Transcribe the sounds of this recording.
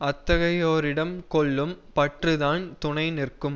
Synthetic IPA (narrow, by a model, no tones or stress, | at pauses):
ɐt̪ːɐɣɐjoːɾɪɽɐmkɔɭːɯmpɐʈrɯðaːnt̪ʊnɐɪnɪrkɯm